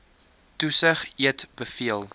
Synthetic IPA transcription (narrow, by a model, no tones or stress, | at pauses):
tusəχiətb̥əfiəlˠ